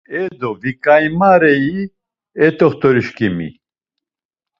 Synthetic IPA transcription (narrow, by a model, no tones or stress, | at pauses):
ɛd̪ɔvikʼajmaɾɛi | ɛt̪ɔχt̪ɔɾiʃkimḭ